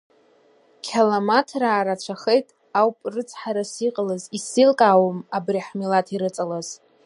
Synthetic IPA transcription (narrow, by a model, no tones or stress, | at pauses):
kʲʰalamatʰraːɾat͡ʃʷʰaχejtʼ | awpʼrɨt͡sʰʼħaɾasiqʼlazisilkʼaːwomabriħmilatʰiɾɨt͡sʼalaz̥